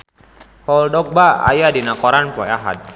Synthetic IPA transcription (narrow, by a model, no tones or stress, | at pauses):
hɔldɔk̚baa̰jadinakɔɾanpɔjaɦa̰t̪̚